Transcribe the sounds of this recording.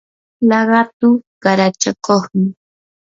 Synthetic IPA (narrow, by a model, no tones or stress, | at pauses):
lɑɢɑt̪ʊɢ̥ɑɾat͡ʃakoχmɪ